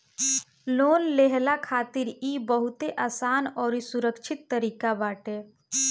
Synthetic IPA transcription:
loːnleɦlakʰaːt̪iɾibəɦut̪eʔaːsaːnɔːɾisuɾəkt͡ʃʰit̪ːəɾiːkabaːʈe

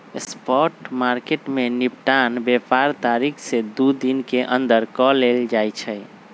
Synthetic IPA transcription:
spɔʈmaɾkeʈmenipʈanbepaɾt̪aɾikʰsed̪ud̪inkeʔə̃nd̪əɾkɔleld͡ʒajt͡ʃʰɛj

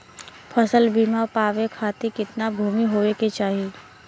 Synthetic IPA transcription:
pʰɐsəlbʱiːmapaːʋekʰaːt̪ikɪt̪nabʱuːmiɦoːeket͡ʃaːɦieː

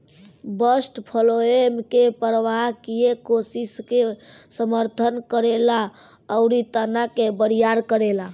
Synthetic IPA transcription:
bəsʈpʰəloemkepəɾʋaɦkiekosiskesəməɾt̪ʰənkəɾela | əʊɾit̪ənakebəɾijaɾkəɾela

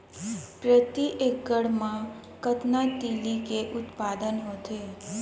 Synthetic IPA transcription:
pɾət̪iʔekəɽmã | kət̪nat̪ilikeʔʊt̪pad̪ənɦot̪ʰe

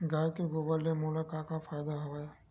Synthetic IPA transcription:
ɡaːkeɡoːbəlːemuːlakakafaːjd̪aɦɐʋaːja

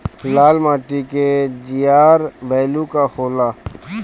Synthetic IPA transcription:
laːlmaːʈiked͡ʒijaːɾbɛːlukahoːlaː

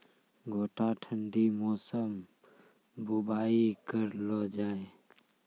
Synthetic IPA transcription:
ɡʱoːʈaʈʰənɖimɔːsəm | bubaːikəɾlɔd͡ʒaːe

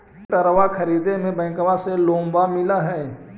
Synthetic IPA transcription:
ʈəɾʋakʰɐɾiːd̪emẽbɛ̃ːkəʋãselõːmbamɪlaɦɛː

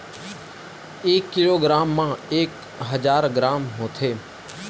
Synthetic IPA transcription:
eːkːɪloːɡɾaːmːãːeːk | ɦəd͡ʒaːɾɡɾaːmɦoːt̪ʰeː

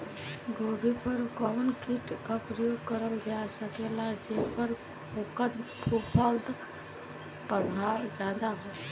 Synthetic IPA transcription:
ɡoɾipəɾkɔʋnkiʈkəpɾjoɡkəɾəld͡ʒasəkelad͡ʒepəɾ | bukəd̪pʰupʰəld̪ | pəbʱaɾd͡ʒad̪aɦɛː

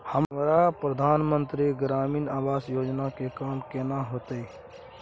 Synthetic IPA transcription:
həmmɾapɾəd̪ʱaːnmə̃nt̪ɾiɡɾaːmiːnaːʋaːsjoːd͡ʒnakekaːmkeːnaɦoːt̪ee

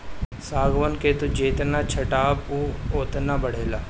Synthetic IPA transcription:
saːɡʋənkeːt̪ud͡ʒeːt̪nat͡ʃʰɐʈaːbuoːt̪nabɐɽ̤eːlaː

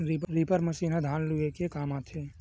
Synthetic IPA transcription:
ɾiɾipəɾməsiːnad̪ʱaːnluekekaːmaːt̪ʰeː

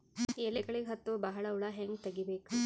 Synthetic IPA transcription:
eːlːeɡɐɭiɡeɦɐt̪ːuʋɐbɐɦɐɭɐuɭɐɦeŋɡt̪ɐɡibeːku

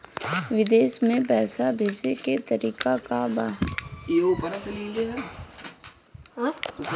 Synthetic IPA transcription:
ʋɪd̪eːʃmẽpɛːsabʱeːd͡ʒeket̪əɾiːkakabaːjeupəɾasɐliɡeɦɛ

